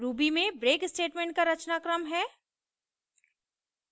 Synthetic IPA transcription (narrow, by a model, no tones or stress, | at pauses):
ɾuːbimẽbɾeːkɪsʈeːʈmẽːɳʈ̚kaɾɐt͡ʃnaːkɾəmɦɛː